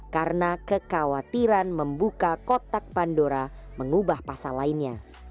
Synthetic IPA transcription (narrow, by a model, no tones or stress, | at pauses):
kaɾənakəkawat̪iɾanməmbukakɔt̪ak̚pandoɾa | məŋubahpasalainɲa